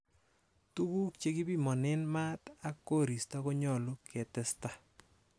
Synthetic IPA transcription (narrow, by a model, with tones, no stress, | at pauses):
tu˦ku˦k̚t͡ʃe˦ki˦pi˦mɔ˨nɪ˦nma˦ta˦kːo˦˨ɾi˨sta˦ko˦ɲɔ˨lo˦kʰe˨tɛ˦sta˦